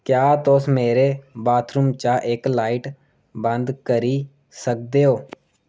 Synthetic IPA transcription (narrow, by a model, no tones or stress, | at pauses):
kjaːt̪ʊsmeːɾeːbaːt̪ʰɾʊmt͡ʃaːʔɪklaːɪʈ | bənd̪kəɾiː | sək̚d̪eːɦoː